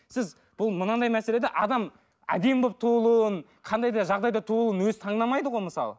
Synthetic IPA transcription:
sɪz | b̥ʊlˠmənɑd̪ɑjmæsele̞d̪eʔɑd̪ɑm | æ̰d̪e̞mbop̚t̪ʰulˠuən | qʰɑnd̪ɑjd̪ɑʒɑʁd̪ɑjd̪ɑt̪ʰulˠuənwɵzt̪ʰɑɴd̪ɑmɑjd̪əʁojməsɑ̰lˠə

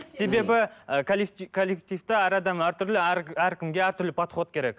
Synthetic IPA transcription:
se̞be̞bɪkʰolkʰolːek̚t̪ijft̪ɪæɾɑd̪ɑmæɾt̪ʰʏɾlɪæɾkʲʰɪmɡʲe̞æɾt̪ʰʏɾlɪpʰɑt̪χo̞t̪kʲʰe̞ɾekʲ

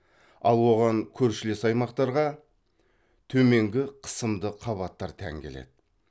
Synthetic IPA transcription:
ɑ̰lˠwo̞ʁɑŋkʲʰɵɾʃɪle̞sɑjmɑqt̪ɑɾʁɑ | t̪ʰɵme̞ŋɡʲɪqʰə̥səmd̪əqʰɑβɑt̪ːɑɾt̪ʰæ̰ŋkʲe̞le̞̰d̪̥ɪ

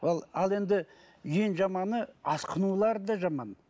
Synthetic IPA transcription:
olˠɑlˠe̞nd̪ɪ | ʒenʒɑmɑnəɑsqʰənulˠɑɾd̪ɑʒɑmɑn

